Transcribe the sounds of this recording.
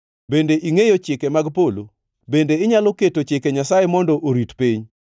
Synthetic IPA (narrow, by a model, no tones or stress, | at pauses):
bendeʔiŋejot͡ʃɪkemaɡpolo | bendeɪɲalɔketot͡ʃɪkeɲasajemɔndɔʔoɾitpiɲ